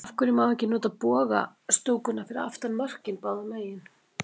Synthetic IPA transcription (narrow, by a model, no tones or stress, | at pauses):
fkʏɾʏmawɛcːɪnɔːt̪aðpɔːɣa̰ | st̪uːkʏnːafɪɾɪða̰ft̪anmœr̥cɪnpaːwðamaːjɪn